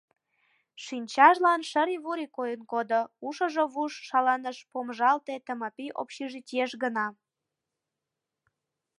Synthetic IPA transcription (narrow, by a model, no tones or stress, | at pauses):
ʃynʲt͡ɕɑʃlɑnʃəɾiβuɾikojənkod̪ouʃə̆ʒoβuʃːɑlɑnəʃpomʒɑlt̪et̪əməpiʔo̰pɕiʒitʲieʃɡənɑ